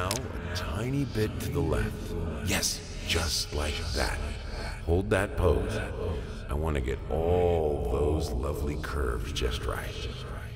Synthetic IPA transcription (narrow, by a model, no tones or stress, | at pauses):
aʊə̰tʰãɪ̃nibɪtʰɨðəlɛ̃fθjɛs | d̥ʒ̥ʌstˡlaɪk̚ðæ̰t̚ | hoʊlˠd̪̚ðɨt̚pʰoʊz | ʔaɪwɑ̃nɨɡɛ̰ɾɔllˠðoʊzlʌvlikʰɜ̰˞vzd͡ʒʌ̰st̚ɹa̰ɪt